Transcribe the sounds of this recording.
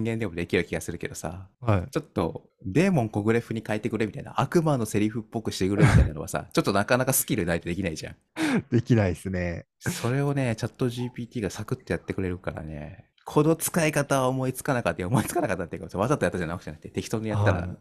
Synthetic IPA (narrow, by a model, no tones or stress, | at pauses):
ɲĩŋɡẽ̞nd̪e̞mo̞d̪e̞kʲiɾɯ̟kʲiɡasɨɾɯ̟ke̞d̪o̞sa̰hait͡ɕo̞t̪ːo̞̰ | d̪e̞ːmõ̞ŋko̞ɡɯ̟ɾe̞ɸɯ̟ɲ̟ikaet̪ːe̞kɯ̟ɾemʲit̪a̰ḭna̰ʔakɯ̟mano̞se̞ɾʲiɸɯ̟pːo̞kɯ̟ɕi̥t̪e̞kɯ̟ɾemʲit̪ainanoa̰sa̰t͡ɕo̞t̪ːo̞nakanakasɨ̥kʲiɾɯ̟nait̪e̞d̪e̞kʲinaiʑã̰ŋ̃ | d̪̥e̞kʲinaisɨne | so̞ɾe̞o̞ne̞t͡ɕat̪ːo̞ʑiːpʲiːt̪ʲiːɡasakɯ̟t̪ːo̞jat̪ːe̞kɯ̟ɾe̞ɾɯ̟kaɾa̰ne̞̰ | kʰo̞d̪o̞t͡sɨ̥kaikat̪aomo̞it͡sɨ̥kanakat̪ːeomo̞it͡sɨ̥kanakat̪ːat̪ːeiɯkamosaβazat̪oat̪ːaʑanakɯ̟ʑ̥anak̟t̪e̞t̪e̞kʲi̥t̪o̞nd̪eat̪ːaɾa̰